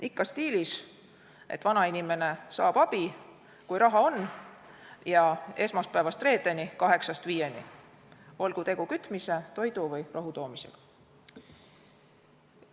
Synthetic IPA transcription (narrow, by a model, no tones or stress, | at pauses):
ikːɑst̪iːlis | ʔet̪vɑnɑinime̞ne̞sɑ̰ːb̥ɑb̥i | kujɾɑɦɑo̞nː | jɑe̞smɑst̪pæevɑst̪re̞ːd̪ˑe̞nikɑɦe̞ksɑst̪viːjenḭ | volɡ̥ut̪e̞ɡ̥ukyt̪ˑmise̞t̪o̞jd̪uvɯjrʔɑɦut̪o̞ːmise̞̰ɡ̥ɑ̥